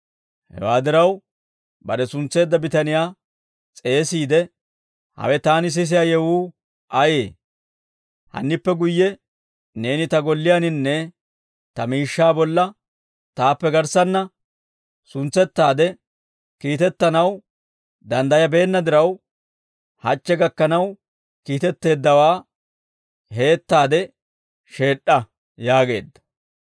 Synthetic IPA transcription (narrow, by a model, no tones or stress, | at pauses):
hɛ̰waːd̪ɪɾɐw | bɐɾɛsʊnt͡sːe̞ːd̪ːɐbɪt̪ɐnɪjaː | t͡sʼe̞ːsiːd̪ɛ | hɐ̰wɛt̪aːnɪs̬ɪs̬ɪjaːjɛwuː | ʔɐjeː | hɐ̰nːɪpːɛɡʊjːɛ | ne̞ːnɪt̪ɐɡɔlːɪjaːnɪnːɛ | t̪ɐmiːʃːaːbɔlːɐ | t̪aːpːɛɡɐɾsɐnːɐ | sʊnt͡sːɛt̪ːaːd̪ɛ | kiːt̪ɛt̪ːɐnɐw | d̪ɐnd̪ɐjɐbe̞ːnːɐd̪ɪɾɐw | hɐt͡ʃːɛɡɐkːɐnɐw | kiːt̪ɛt̪ːe̞ːd̪ːɐwaː | he̞ːt̪ːaːd̪ɛ | ʃe̞ːɗːɐ | jaːɡe̞̰ːd̪ːɐ̥